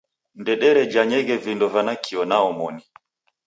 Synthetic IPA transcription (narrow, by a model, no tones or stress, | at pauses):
ndɛɗɛɾɛd͡ʒaɲɛɣɛvindɔvanakʰiɔnaɔmɔni